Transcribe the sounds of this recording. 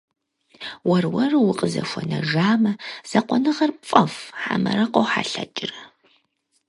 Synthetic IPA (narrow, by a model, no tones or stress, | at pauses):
wɐrwɐrɨwʊqʼəzɐ̰ʃʷɔnɐʒaːmɐz̥ɐqʷɔnɨʁɐrfʼɐfħa̰mɐɾɐqʷowħa̰ɬɐt͡ʃʼɪrɐ